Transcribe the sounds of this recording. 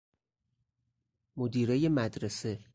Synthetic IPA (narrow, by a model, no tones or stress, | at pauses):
mod̪iːɾejemæd̪ɾese̞